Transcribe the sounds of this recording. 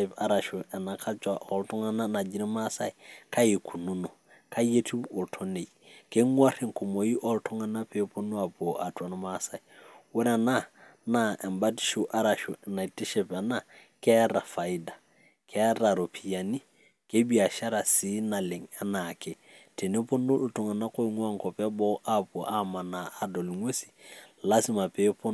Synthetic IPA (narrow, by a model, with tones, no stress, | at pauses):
pa̰˨ɾa˨ʃu˨ɛ˨na˨kʰa˦t͡ʃa˨ʔɔ˨ltɔ˦ŋa˦na˦na˨d͡ʒi˦ni˦ma˦sa˦i˨kʰa˦je˨kʰu˨nu˦no˨ | kʰa˦je˦ti˦bo˨ltʰɔ˦ne˨ | ke˦ŋwa˦ɾi˦˨ŋko˨mo˨ji˦ʔɔ˦ltʰɔ˦ŋa˦na˦pe˦po˦nu˦a˨bo˨ʔa˨twa˨nɔ˦ma˦sa˨i˨wɛ˦nɛ˨na˦na˦˨ʔɛ˨mba˦ti̥˦ʃu˨ʔa˦ɾa˨ʃu˨ɛ˨na˨i˨ti˦ʃɛ˨pɛ˨na˦˨ | kɛ˦ɾa˨fa˨i˦da˨ | kʰɛ˦ɾa˨ɾo˨pʰi˨ja˨ni˦ | ke˦bi˦a˨ʃa˦ɾa˨si˦na˨lɪ˨ŋa˦na˨kɛ˨ | tʰe˨ne˦po˦nʊ˦ltɔ˨ŋa˨na˦ko˦ŋwa˦ŋkɔ˨pɛ˦bɔ˦ʔa˦pɔ˨ʔa˦ma˨na˨a˨dɔ˨li˨ŋwe˦si̥˨la˦si˦ma˨pe˨˦po˦